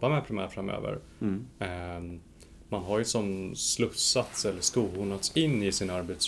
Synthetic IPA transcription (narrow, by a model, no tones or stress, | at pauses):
bːamɛpʰɾɪmæ̰ːɾfɾamø̰ːvə̰ɾ | manɦaɾjɵsɔmslɵsat̪sɛlːəskuːhunat̪sɪnːɪsɪnaɾbɛt̪s